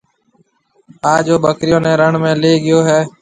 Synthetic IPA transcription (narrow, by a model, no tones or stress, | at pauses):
aːd͡ʒoːɓəkɾɪjõːnɛ̃ːɾəɳmẽːleːɠɪjoːɦɛː